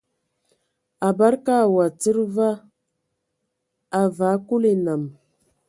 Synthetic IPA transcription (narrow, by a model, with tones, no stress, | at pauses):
a˨ba˦ɾka˦˨wa˨t͡sə˦ɾva˦ | a˨va˨˦ku˦li˨na˨m